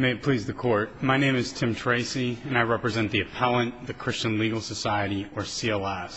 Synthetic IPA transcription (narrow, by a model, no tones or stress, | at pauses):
meɪɨt̚pʰl̥izðɨkʰɔɹt̚maɪñẽɪ̃mɨz̥tʰɪ̃mtʰɹ̥eɪsiɨ̃naɪɹɛpɹɨzɛ̃nðiɨpʰælˠə̃nðɨkʰɹ̥ɪst͡ʃɨ̃nliɡl̩ˠsɨsaɪɨɾiə˞siɛlˠɛs